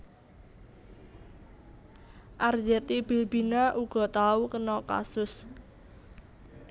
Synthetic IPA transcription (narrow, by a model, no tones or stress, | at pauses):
ʔard͡ʒɛt̪ib̥i̤lb̥inaʔuɡ̥ɔ̤t̪aukənɔka̰sʊs